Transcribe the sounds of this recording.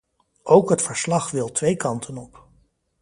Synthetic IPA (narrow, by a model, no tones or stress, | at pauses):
ʔowkɦətfəɹslɑχʋɪlˠtʋejkɑntʰənɔp